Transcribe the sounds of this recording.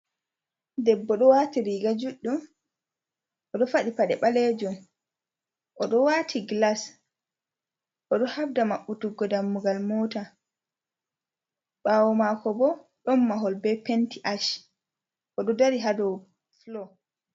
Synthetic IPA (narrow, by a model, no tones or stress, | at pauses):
dɛbːɔɗɔwatiɾiɡad͡ʒuɗːum | ʔɔɗɔfaɗipaɗɛɓalɛd͡ʒɔn | ʔɔɗɔwaːtʰiɡlas | ʔɔɗɔhabdamaɓːutuɡɔdamːuɡalmɔta | ɓaːwɔmakɔbɔ | ɗɔmːaɦɔlbɛpentiʔaʃ | ʔɔɗɔdaɾiɦadɔ | flɔ